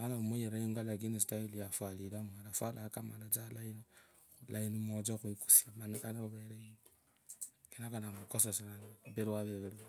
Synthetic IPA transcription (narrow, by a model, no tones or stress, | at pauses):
anamujeɾajoŋɡalaɡ̬inisitailijafwalilamualafalakamalat͡salaini | ulainimod͡ʒaxwiku̥siamananaβeɾein | kenakanamukosaselanbeɾwaβeβeɾwa